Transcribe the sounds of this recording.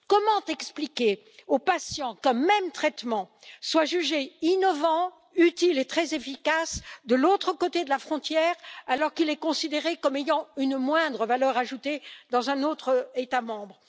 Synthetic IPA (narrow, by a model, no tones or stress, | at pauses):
kɔmɑ̃t̪ɛksplikʲe | opasjɑ̃kɛ̃mɛmt̪χɛt̪mɑ̃ | swaʒyʒeinɔvɑ̃ | yt̪ilet̪χɛzefikasd̪əlot̪χəkot̪ed̪əlafχɔ̃t̪jɛːʁalɔʁkilɛkɔ̃sid̪eʁekɔmejɑ̃ynmwɛ̃d̪ʁəvalœʁaʒut̪ed̪ɑ̃zɛ̃not̪χəet̪amɑ̃bʁə